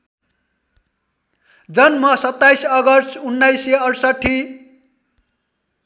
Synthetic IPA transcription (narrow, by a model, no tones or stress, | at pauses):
d͡zʌnmʌsʌt̪ːajsʌɡʌsunːajseʌɽsʌʈʰːi